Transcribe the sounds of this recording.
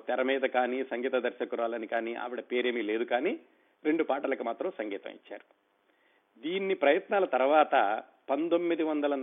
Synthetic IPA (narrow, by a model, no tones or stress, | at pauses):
t̪ɛɾɐmiːd̪ɐkaːniːsɐŋɡiːt̪ɐd̪ɐɾʃɐkuɾaːlɐnikaːniːʔɐ̰ʋiɽɐpe̞ːɾe̞ːmiːle̞ːd̪ukaːniː | ɾe̞ɳɖupaːʈɐlɐkumaːt̪ɾɐmsɐŋɡiːt̪ɐ̰̃mḭt͡ʃːa̰ːɾu | d̪iːnːipɾɐjɐt̪naːlɐt̪ɐɾʋaːt̪ɐ | pɐnd̪omːid̪iʋɐnd̪ɐlɐn